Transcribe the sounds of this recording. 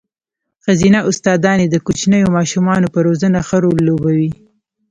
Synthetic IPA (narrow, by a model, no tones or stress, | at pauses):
xazinaʔʊst̪ɑd̪ɑned̪əkut͡ʃnəjomɑʃumɑnopəɾozənaxəɾolːobawi